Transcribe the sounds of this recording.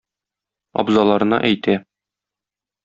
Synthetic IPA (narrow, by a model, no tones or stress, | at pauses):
ɒ̰bzɑlˠɑɾɤ̆nɑ̰ʔæjt̪æ